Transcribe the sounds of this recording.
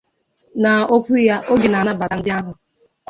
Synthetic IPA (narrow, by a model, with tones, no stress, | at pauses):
na˨o˦kʷu˦ja˦ʔo˦ɡɪ˨na˨na˦ba˨a˨n̩˦dɪ˦a˦ɦʊ˨